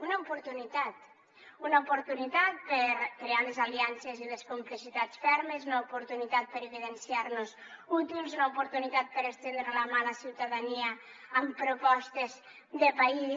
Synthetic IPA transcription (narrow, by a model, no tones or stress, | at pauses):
unaopuɾt̪unit̪at̪ | unaupuɾt̪unit̪at̪̚peɾkɾealezaliansezileskumplisit̪at͡sfɛɾmezunaupuɾt̪unit̪at̪̚peɾeβiðensiaɾnuzut̪ilˠzunaupuɾt̪unit̪at̪̚peɾest̪end̪ɾelamalasiwt̪aðaniaː | mpɾupɔst̪ez | d̪epai